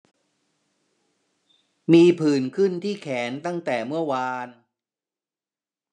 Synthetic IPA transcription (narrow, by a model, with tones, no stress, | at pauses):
miː˧pʰɯː˨˩nkʰɯ˥˩nt̪ʰiː˥˩kʰɛː˩˦nt̪a˥˩ŋt̪ɛː˨˩mɯ˥˩ɐwaː˧n